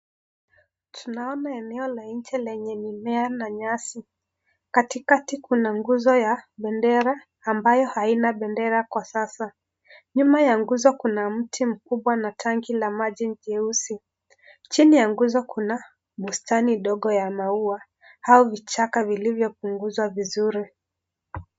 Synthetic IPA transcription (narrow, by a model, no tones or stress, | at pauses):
tʰunaɔnaɛnɛɔlaɲ̩t͡ʃɛlɛɲɛnimɛanaɲasi | katikatikunaŋɡuzɔjaɓɛndɛɾaː | mbajɔhainaɓɛndɛɾakwasasa | ɲumajaŋɡuzɔkunam̩tʰim̩kuɓwanatʰaŋɡilamaʄim̩d͡ʒɛusi | t͡ʃinijaŋɡuzɔkuna | ɓustaniɗɔɠɔjamaua | haɔvit͡ʃakavilivjɔp̚uŋɡuzwavizuɾi